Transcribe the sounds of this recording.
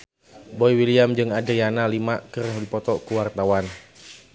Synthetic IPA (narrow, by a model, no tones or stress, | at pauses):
bɔiwiliamd͡ʒɨŋadəjanalimakɨrndipɔt̪ɔkuwart̪awan